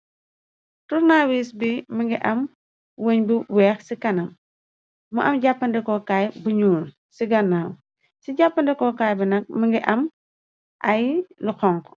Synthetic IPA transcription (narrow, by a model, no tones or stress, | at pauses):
turnawisbimɐŋɡiʔɐm | wəɲbiwɛːxsikɐnɐm | mɐʔɐmɟapːɐndɛkɔkaːjbɐɲuːn | siɡɐnːaːw | siɟapːɐndɛkɔkaːjbinɐk̚mɐŋɡiʔɐm | ʔɐjluxɔŋkɔ̥